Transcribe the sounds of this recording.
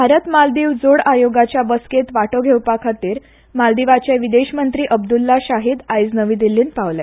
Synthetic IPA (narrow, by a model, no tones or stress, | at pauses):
bʱaɾət̪mald̪iːʋd͡zoɽajoɡat͡ɕjabəsket̪ʋaʈoɡʱewpakʰat̪iːɾ | mald̪iʋat͡ɕaʋid̪eɕmənt̪ɾiːʔəbd̪ulːaɕaɦiːd̪ajd͡znəʋiːd̪ilːiːnpaʋla